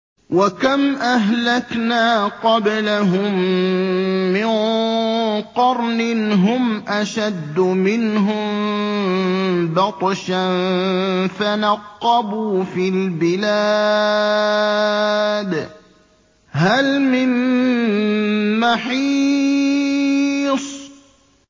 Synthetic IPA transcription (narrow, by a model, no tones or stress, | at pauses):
wakamʔaɦlaknaːqɑblaɦʊmː | ɪn | qɑɾˤnɪɦʊmʔaʃad̪ːʊmɪnɦʊmm | bɑt̪ˤʃan | fanɑqːɑbuːfilbɪla | d̪ | halmɪn | maħi | sˤ